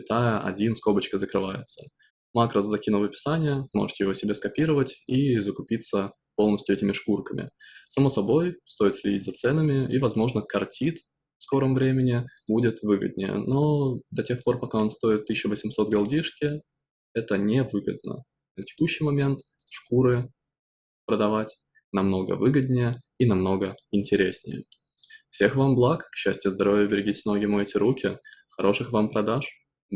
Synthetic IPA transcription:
kʲɪt̪ajəʔɐ̰dʲinsko̞bət͡ɕkəzəkɾɨvajɪ̰t̪sə̥ | makɾəzzɐkʲinʊvəpʲɪ̥sanʲɪjəmoʐɨ̥t̪ʲɪjɪvosʲɪbʲe̞skɐpʲiɾəvətʲizəkʊpʲit̪sə | po̞lˠnəsʲtʲjʊɛtʲɪmʲɪʂkurkəmʲɪ̰sɐmo̞sɐbo̞jst̪o̞jɪt̪sʲlʲɪdʲitʲzɐt̪sɛnəmʲɪivɐzmo̞ʐnəkɐrtʲit̪ | fsko̞ɾəmvɾʲemʲɪnʲɪbudʲɪt̪vɨɡə̰d̪̚ʲnʲɪ̰jə̰no̞d̪ɐtʲe̞xpo̞rpɐkao̞nst̪o̞ɪt̪ːɨɕːʊvəsʲɪmso̞t̪ɡɐlˠdʲiʂkʲɪ | ɛt̪ənʲɪvɨɡəd̪̚nə̰ | nətʲɪ̥kuɕːɪjmɐmʲe̞nt̪ | ʂkuɾɨ | pɾəd̪ɐvatʲ | nɐmno̞ɡə̰vɨɡəd̪̚ʲnʲɪjəinɐmno̞ɡəɪnʲtʲɪɾʲesʲnʲɪ̰jə̰ | fsʲe̞xvamblˠakɕːæsʲtʲjəzd̪ɐɾo̞vʲjəbʲɪɾʲɪɡʲitʲɪsno̞ɡʲɪmʊɛtʲɪɾukʲɪxɐɾʔo̞ʂɨxvampɾɐd̪aʂ

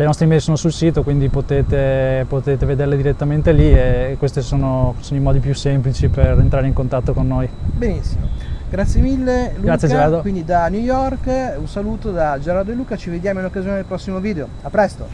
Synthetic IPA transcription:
lenɔst̪ɾimejsoːnosulsiːt̪okwind̪ipot̪eːt̪epot̪eːt̪eved̪erled̪iɾet̪ːament̪eliekːwest̪esoːnosoːnoimɔːd̪ipjusemplit͡ʃiperent̪ɾaːɾeiŋkont̪at̪ːokonːoːjbenisːimoɡɾat̪sjemilːeluɡak̪ːjed͡ʒeɾaɾd̪owind̪id̪anjujɔrkunsaluːt̪od̪ad͡ʒeɾaɾd̪oeluːkat͡ʃived̪jaːmoinokːazijoned̪elpɾɔsːimoviːd̪eo | apːɾɛst̪o

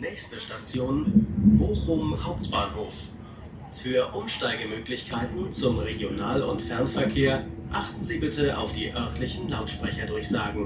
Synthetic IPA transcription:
nɛːçstəʃtat͡sjoːnb̥oːχʊmhaʊp̚tb̥aːnhoːf | fyːɐʔʊmʃtaɪɡəmøːklɪçkʰaɪtn̩t͡sʊmʁeɡjonaːlʊ̰ntfɛɐnfɛɐkʰeːɐʔaχtn̩ziːbɪtəʔa̰ʊfd̥iːʔœɐtlɪçn̩laʊtʃpʁ̥ɛçɐdʊɐçz̥aːɡŋ̩

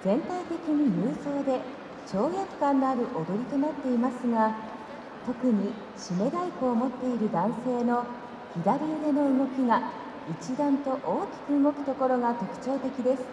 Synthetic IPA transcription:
d͡zẽ̞nt̪ait̪e̞kʲiɲ̟imɯːso̞ːd̪e̞ | t͡ɕo̞ːjakɯ̥kãnːoaɾɯ̟ʔo̞d̪o̞ɾʲit̪o̞nat̪ːe̞imasɨŋa | t̪o̞kɯ̟ɲ̟i | ɕime̞ɾaikɯːmo̞t̪ːe̞iɾɯ̟d̪ãɰ̃se̞ːno̞ | çid̪aɾʲiɯɾeno̞ɯŋo̞kʲiɡa | it͡ɕid̪ãnt̪o̞ʔoːkʲi̥kɯ̟ɯŋo̞kɯ̟̥t̪o̞ko̞ɾo̞ɡat̪o̞kɯ̟̥t͡ɕo̞ːt̪e̞kʲid̪e̞sɨ̥

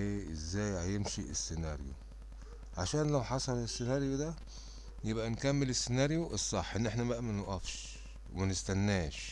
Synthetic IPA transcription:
eːʔezːæːjhæjemʃiʔesːenæɾjo̰ | ʕaʃæːnlæwħɑsˤɑlesːenɑːɾjod̪æ | jebʔænkæmːelesːenɑɾjoʔesˤːɑħːʔenːʔeħnæmæʔæmænoʔɑfʃ | mænest̪ænːæːʃ

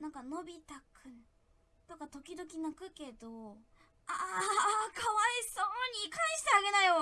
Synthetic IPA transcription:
nãŋkano̞bʲit̪akɯ̟̃n | t̪o̞kat̪o̞kʲid̪o̞kʲinakɯ̟ke̞d̪o̞ | aːkʰaβaisoːɲ̟ikʰãɰ̃ɕi̥t̪e̞aɡe̞najo

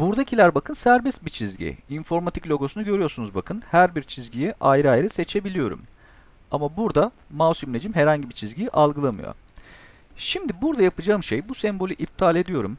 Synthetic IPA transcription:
buɾd̪acʰilʲæɾbakʰɯnsæɾbɛst̪bit͡ʃʰizɟḭinfo̞ɾmat̪ʰiclʲo̞ɡo̞sunuɟøɾijo̞ɾsunuzbakʰɯnhæɾbiɾt͡ʃʰizɟijiʔajɾɯajɾɯse̞t͡ʃʰe̞bilʲijo̞ɾṵm | amabuɾd̪a | mawsumlʲed͡ʒimɦeɾhaɲɟibit͡ʃʰizɟijʔalˠɡɯlˠamɯ̰jo̰ | ʃimd̪ibuɾd̪ajapɯd͡ʒaːɯmʃejbusɛmbo̞lʲiʔip̚t̪ʰalʲe̞d̪ijo̞ɾum

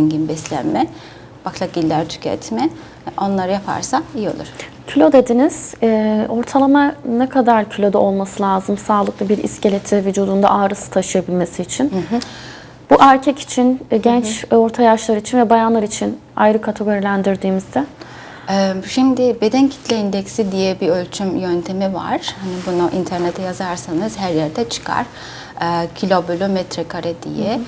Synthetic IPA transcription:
ɛɲɟinbɛslʲæ̰nmɛ | b̥aklˠaɟilʲːæɾt̪ʰy̥cʰɛ̰t̪ʰmɛ | o̞nlˠaɾɯjapʰa̰ɾsaijo̞̰lˠṵɾ̥ | cʰylʲo̞d̪e̞d̪iniz̥ʔo̞ɾt̪ʰalˠamanɛkʰad̪aɾcʰylʲo̞d̪ao̞lˠmasɯlʲaːzɯmsaːlˠɯklˠabiɾḭscelʲet̪ʰɛvyd͡ʒuːd̪und̪a̰ʔaːɾɯsɯ̥t̪ʰaʃɯjabilʲme̞siːt͡ʃʰin | b̥uʔæɾcʰɛci̥t͡ʃʰinɟɛnt͡ʃo̞ɾt̪ʰajaʃlˠaɾɯit͡ʃʰinvɛbajanlˠaɾit͡ʃʰin | a̰jɾɯkʰat̪ʰeɡo̞ɾilʲænd̪iɾd̪iːmizd̪ɛ | ɛʃimd̪ɪbe̞d̪ɛncʰi̥t̪ʰlʲɛind̪ɛcsid̪ijɛbiølʲt͡ʃʰymjønt̪ʰe̞miva̰ɾ̥hanibunuʔint̪ʰæɾnet̪ʰɛjazaɾsanɯzɦæɾjɛɾd̪ɛt͡ʃʰɯ̥kʰa̰ɾ̥ | ɯːcʰilʲobylʲomɛt̪ɾɛkʰaɾad̪ḭjɛ

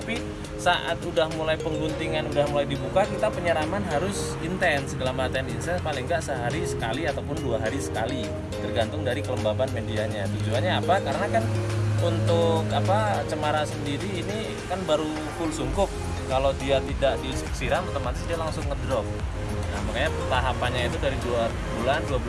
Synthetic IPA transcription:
t̪api | saʔa̰t̪udahmulajpəŋɡunt̪iŋanudahmulajdibukakit̪apəɲəɾamanɦaɾʊs | int̪ɛnsəɡəlamat̪aandinsɛnpalɪŋɡaʔsəɦaɾisə̥kaliat̪awpʊnduaɦaɾisə̥kali | t̪ərɡant̪ʊŋdaɾikələmbabanmendiaɲat̪ud͡ʒuanɲaːpakaɾənakanunt̪ʊkapat͡ʃəmaɾasəndiɾiːni | kanbaɾu | fʊlsuŋkʊkː | alodiat̪idaʔdisk̚siɾaŋmpət̪əp̚mat̪ɪsdialaŋsʊŋːədɾɔk̚ | nahmakaɲapt̪aɦapanɲait̪udaɾidua | bulanduabul

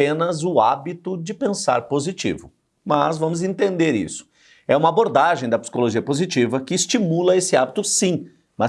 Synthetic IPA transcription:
ẽnɐzʊabit̪ʊd͡ʒɪpẽsa̰ɾpozit͡ʃḭvʊ̰ | mɐzvɐ̃mʊzẽnt̪ẽnd̪eɾḭsʊ̥ | ɛũmɐaboɾd̪aʒẽj̃d̪ɐpsi̥koloʒiɐpozit͡ʃivɐkɪːst͡ʃimulɐesɪabit̪ʊsĩ | mɐ

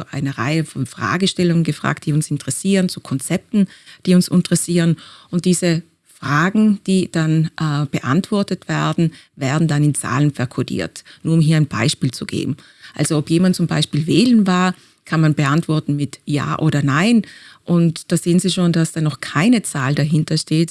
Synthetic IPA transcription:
ʔa̰ɪnəʁa̰ɪəfɔnfʁ̥a̰ːɡəʃtɛlʊŋənɡəfʁ̥a̰ːktd̥iːʊnsɪntəʁɛsiːʁənt͡sukʰɔnt͡sɛp̚tn̩d̥iːʊnsɪ̰ntəʁɛsiːʁənʔʊnt̚d̥iːzə | fʁ̥aːɡŋ̩d̥iːd̥anʔb̥əʔa̰ntv̥ɔɐtətv̥ɛɐdn̩ | vɛːɐdn̩danɪnt͡sa̰ːlənfɛɐkʰodḭːɐtnuːɐʊmɦiːɐaɪnb̥a̰ɪʃpiːlt͡suɡ̥ḛːbm̩ | ʔa̰lz̥oɔpjeːmant̚t͡sʊmba̰ɪʃpiːlveːlənvaːɐ | kʰanmanbəʔantv̥ɔɐtn̩mɪtja̰ːʔoːdɐnaɪnʔʊntd̥aːzeːənziːʃoːndasd̥aːnɔχkʰaɪnət͡saːldaɦɪntɐʃteːt

